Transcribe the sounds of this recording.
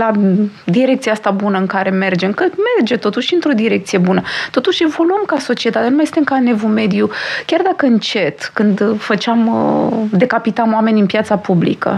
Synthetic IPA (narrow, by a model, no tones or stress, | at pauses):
lad̪iɾek̚t̪sijaast̪abunəɨŋkaɾe̞me̞rd͡ʒe̞mkɨme̞rd͡ʒe̞t̪o̞t̪uʃiɨnt̪ɾo̞d̪iɾe̞k̚t̪sije̞bunət̪o̞t̪uʃe̞vo̞luəmkaso̞t͡ʃiet̪at̪enumajsɨnt̪emkane̞vume̞d̪jukʲard̪akəɨnt͡ʃe̞t̪kɨnd̪fət͡ʃamd̪e̞kapit̪amoame̞nʲɨnpjat̪sapublḭkə̰